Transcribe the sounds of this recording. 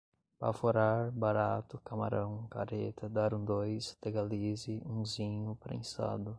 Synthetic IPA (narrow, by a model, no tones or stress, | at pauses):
pa̰foɾaɾbaɾat̪ʊkama̰ɾɐ̃w̃ka̰ɾḛt̪ʰɐd̪aɾũd̪ojst̪eɡalizɪũzĩɲʊpɾḛ̃sa̰d̪ʊ